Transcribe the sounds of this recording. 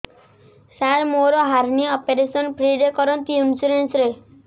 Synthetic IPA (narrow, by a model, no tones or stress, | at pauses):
saɾmoɾoɦaɾniɔpeɾesɔnpʰɾiɖekɔɾɔnt̪iumsuɾensɾe